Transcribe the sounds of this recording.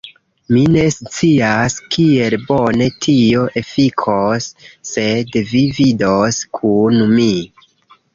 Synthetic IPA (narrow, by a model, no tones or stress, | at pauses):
mine̞st͡siaskie̞lbo̞ne̞tʰio̞ʔe̞fikʰosːe̞dvividoskʰunmi